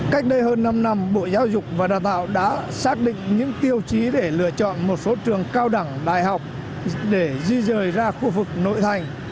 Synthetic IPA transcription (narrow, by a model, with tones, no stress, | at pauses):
ka˦˥jk̟̚ɗə˧jɦəː˧nːa˧mna˧mɓo̰˧˨zaː˨˦wzʊ˨˩k͡p̚vaː˨˩ɗaː˨˩wt̪a̰ː˧˨wɗa̰ː˧˥saː˦˥k̚ɗḭ̈˧˨ŋ̟ɲɨ̰˧˥ŋt̪i˧əwt͡ɕi˨˦ɗe˧˩lɨ̰˧˩ət͡ɕɔ̰˧˨nmo˨˩t̚so˨˦t͡ɕɨ˨˩əŋkaː˧wɗa˧˩ŋɗa̰ː˨jɦa˨˩wk͡p̚ | ɗe˧˩zi˧zəː˨˩jzaː˧xu˧vɨ˨˩k̚no̰˧˨jt̪ʰa˨˩jŋ̟